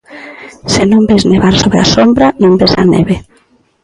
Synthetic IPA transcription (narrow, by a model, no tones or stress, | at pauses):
sɪnõmbezneβaɾsoβɾeasombɾanõmbezanɛ̰βe